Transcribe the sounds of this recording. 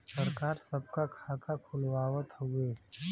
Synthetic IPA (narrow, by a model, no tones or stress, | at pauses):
sɐɾkaːɾsɐb̚kakʰaːt̪ʰakʰʊlwaːwət̪ɦueː